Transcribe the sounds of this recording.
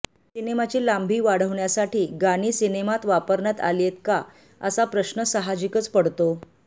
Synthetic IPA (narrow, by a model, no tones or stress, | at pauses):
sinemat͡ɕiːlambʱiːʋaɽ̤əʋɳjasaʈʰiːɡañiːsinemat̪ʋapəɾɳat̪a̰ljet̪ka | əsapɾəɕnəsəɦad͡ʑikət͡spəɽt̪o